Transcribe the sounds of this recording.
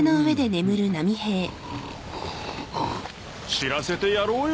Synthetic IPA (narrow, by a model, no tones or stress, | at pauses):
no̞ɯ̟βe̞d̪e̞ne̞mɯ̟ɾɯ̟namʲihe̞ː | ɕiɾase̞t̪e̞jaɾo̞ːj